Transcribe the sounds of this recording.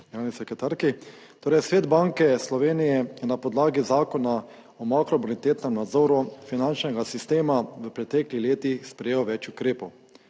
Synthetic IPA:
ɡɾaːnisɛkɛt̪aɾki | t̪oːɾɛjsʋeːd̪baŋkɛslɔʋeːnijɛjɛnapɔd̪laːɡizaːkɔna | ɔmakɾɔbolit̪eːt̪nɛmnad̪zoːɾufinant͡ʃnɛɡasist̪eːmaʋəpɾɛt̪ɛklixleːt̪ixspɾɛjeːwʋɛt͡ʃukɾeːpɔw

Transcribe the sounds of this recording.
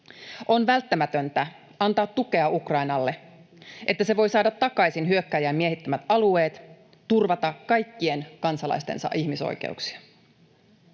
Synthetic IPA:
ʔo̞nʋælt̪ːæmæt̪ø̞nt̪æ | ɑnt̪ɑːt̪ːuke̞ɑukrɑinɑlːe̞ | ʔe̞t̪ːæse̞ʋo̞jsɑːdɑt̪ːɑkɑjsinɦyø̞kːæjæːmmiehit̪ːæmæt̪ɑlue̞ːt̪ | t̪urʋɑt̪ɑkkɑjkːie̞nkɑnsɑlɑ̰jst̪e̞̰nsɑ̰ʔiçmiso̰jkḛuksi̥ɑ

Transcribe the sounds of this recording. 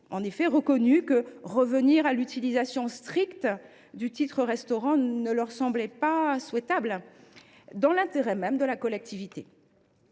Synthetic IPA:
ɑ̃nefɛʁəkɔnykəʁəvəniʁalyt̪ilizasjɔ̃st̪χikt̪ | d̪yt̪it̪χəʁɛst̪ɔʁɑ̃nəlœʁsɑ̃blɛpaswɛt̪abl | d̪ɑ̃lɛ̃t̪eʁɛmɛmd̪əlakɔlɛk̚t̪ivit̪e

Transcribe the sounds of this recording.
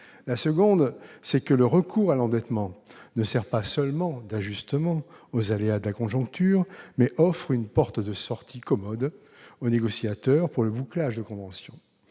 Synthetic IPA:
lasəɡɔ̃d̪sɛkələʁəkʰuʁalɑ̃d̪ɛt̪mɑ̃nəsɛʁpasœlmɑ̃d̪aʒyst̪əmɑ̃ozalead̪əlakɔ̃ʒɔ̃k̚t̪yːʁmɛʔɔfχynpɔʁt̪d̪əsɔʁt̪ʰikɔmɔd̪ | oneɡɔsjat̪œʁpuʁləbuklaʒd̪əkɔ̃vɑ̃sjɔ̃

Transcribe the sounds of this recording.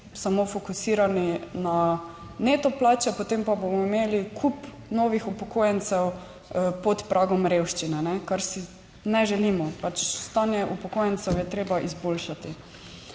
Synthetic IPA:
samofokusiːɾanina | net̪ɔplaːt͡ʃɛpot̪empabomɔimeːlikʰup | nɔːʋixupɔkojɛnt̪sɛw | pɔt̪pɾʔaːɡɔmɾewʃt͡ʃinɛnɛkaɾsi | nɛʒɛliːmɔpat͡ʃst̪aːnjɛʔupɔkojɛnt̪sɛwjɛt̪ɾeːbaʔizbolʃat̪i

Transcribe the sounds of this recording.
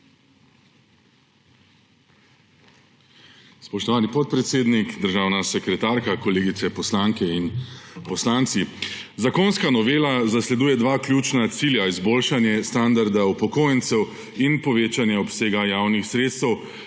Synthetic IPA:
spɔʃt̪ɔʋaːnipɔt̪̚pɾɛt̪seːd̪nikd̪əɾʒaːwnasɛkɾɛt̪aːɾkakɔleːɡit̪sɛpɔslaŋkɛinpɔslaːnt̪si | zakoːnskanɔʋeːlazaslɛd̪uːjɛd̪ʋaːklʲjuːt͡ʃnat̪siːljaizboːlʃanjɛst̪and̪aɾd̪aupɔkoːjənt̪sɛw | inpɔʋeːt͡ʃanjɛɔpseːɡajaːwnixsɾeːt̪st̪ɛw

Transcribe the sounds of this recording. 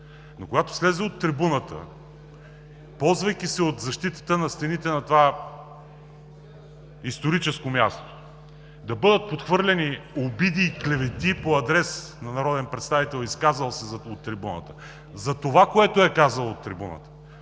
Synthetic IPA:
nokoɡat̪o̥slɛzɛot̪ːɾibunət̪ə̰ | pɔlˠzvɐjkisɛot̪zɐʃt̪it̪ə̥t̪ənɐst̪ɛnit̪ɛnɐt̪ova | ist̪oɾit͡ʃɛskomʲjast̪o̥ | d̪ɐbɤd̪ət̪̚pot̪xvɤɾlʲɛniobid̪iːklɛvɛt̪ipoɐd̪ɾɛsnɐnɐɾɔd̪ɛnpɾɛt̪st̪avit̪ɛlˠiskazəlˠsɛzot̪ːɾibunə̰t̪ə | zɐt̪ovakoɛt̪oɛkazəlˠot̪ːɾibunə̰t̪ə̥

